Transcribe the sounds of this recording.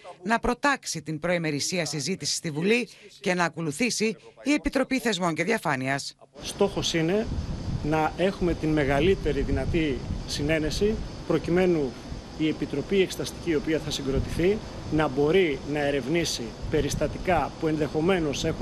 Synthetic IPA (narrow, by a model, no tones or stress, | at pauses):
nɐpɾo̞t̪ɐksit̪imbɾo̞ime̞ɾisiɐsizit̪isi̥st̪ivulice̞nɐːko̞luθisiːe̞pit̪ɾo̞piθe̞zmo̞ɲce̞ðiɐfɐniɐs | st̪o̞xo̞sine̞nɐe̞xume̞t̪inme̞ɣɐlit̪e̞ɾiðinɐt̪isine̞ne̞sipɾo̞cime̞nu | ie̞pit̪ɾo̞piekse̥t̪ɐst̪i̥ciːo̞piɐθɐsiŋɡɾo̞t̪iθi | nɐbo̞ɾinɐe̞ɾe̞vnisipe̞ɾist̪ɐt̪ikɐpue̞nðe̞xo̞me̞no̞se̞x